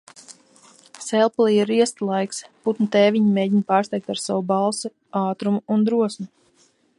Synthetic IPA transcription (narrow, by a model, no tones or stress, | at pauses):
sɛlˠplˠiiɾiɛst̪lˠajksput̪nut̪ɛːviɲimeːɟiɲpaːɾst̪ɛjk̚t̪aɾsawubɑlˠsɨ | aːt̪ɾumuːnd̪ɾuɔsmu